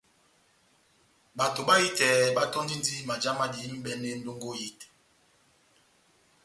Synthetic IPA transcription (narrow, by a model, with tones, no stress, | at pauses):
ɓa˨to˨ɓa˦ji˦tɛ˨ɓa˦tɔ˦n˦di˦n˦di˦ma˨d͡ʒa˦ma˦di˨˦m̩˦ɓɛ˦ne˦n̩˦do˦ŋɡo˦ji˦t